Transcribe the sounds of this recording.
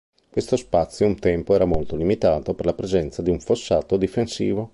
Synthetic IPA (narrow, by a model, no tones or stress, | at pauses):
kwest̪ospat̪sːjount̪ɛmpoɛːɾamolt̪olimit̪aːt̪operlapɾezɛnt̪sad̪iuɱfosːaːt̪od̪ifensiːvo